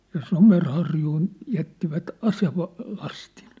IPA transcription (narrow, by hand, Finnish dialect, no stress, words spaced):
jɑ somerhɑrjuːn jætːiʋæt ɑseʋɑ lɑstin